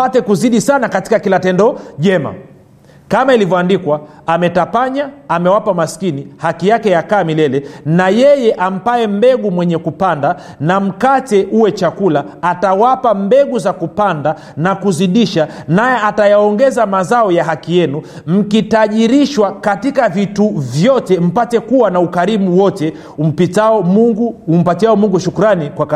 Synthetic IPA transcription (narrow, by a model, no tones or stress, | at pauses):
atɛkuziɗisanakati̥kakilatɛndɔʄɛma̰ | kamailivjɔandikwa | amɛtapaɲaamɛwapamaskinihakijakɛjakaːmilɛlɛnajɛjɛʔam̩paɛm̩bɛɠumwɛɲɛkupanda | nam̩katɛʔuwɛt͡ʃakulaatawapambɛɠuzakupanda | nakuziɗiʃanajɛatajaɔŋɡɛzamazaɔjaɦakijɛnum̩kitaʄiɾiʃwakatikavituvjɔtɛm̩patɛkuwanaukaɾimuwɔtɛ | m̩pitɡuum̩patiaɔmuŋɡuʃukuɾanikwaka